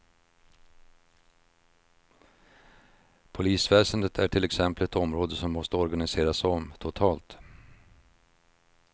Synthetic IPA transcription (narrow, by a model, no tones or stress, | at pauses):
pʰʊliːsvɛːsənd̪ət̪ʰæʈʰɪlɛksɛmpəlɛt̪ɔmɾoːd̪əsɔmːɔst̪əɔɾɡanɪseːɾasɔmt̪ʰʊt̪ʰɑːlt̪